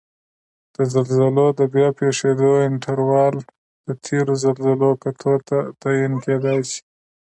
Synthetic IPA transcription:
d̪̥əzalzəlod̪əbjɑpeʂed̪oɪɳʈʰaɾwɑl | d̪̥ət̪ʰeɾozalzəlokat̪ʰot̪at̪ɑjinked̪ɑjsi̥

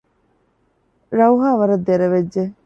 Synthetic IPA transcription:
ɾɐuɦaːʋɐɾɐd̪ːeɾɐʋed͡ʒd͡ʒe

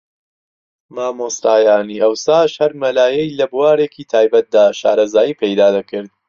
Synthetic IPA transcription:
maːmoːsɾaːjaːniːʔɐwsaːʃhɐɾmɐlaːjɛjlɐbuwaːɾeːkiːt̪ʰaːjbɐt̪̚d̪aːʃa̰ːɾɐzaːjiːpʰejd̪aːd̪ɐkɨɾd̪̚

